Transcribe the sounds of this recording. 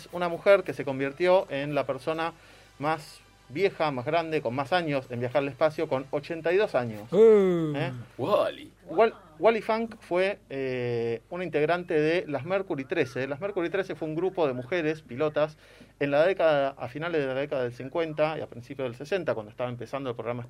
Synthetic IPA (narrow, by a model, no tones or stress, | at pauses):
sunamuxeɾkese̞ko̞mbiɾt̪jo̞ʔenlapeɾso̞na | mas | βje̞xamazɣɾand̪eko̞nmasaɲo̞sembjaxaɾalespasjo̞ko̞not͡ʃe̞nt̪ajðo̞saɲosuewalḭ | wa | walifaŋkfwe | unint̪eɣɾant̪eðelameɾkuɾit̪ɾeselameɾkuɾit̪ɾe̞sefweuŋɡɾupo̞ðe̞muxeɾespilo̞t̪as | enlaðekaðaʔa̰finalezðelaðekaðaðelsiŋkwe̞nt̪aia̰pɾinsipjoðelsese̞nt̪akwand̪oe̥st̪aβaempesand̪oelpɾoɣɾamae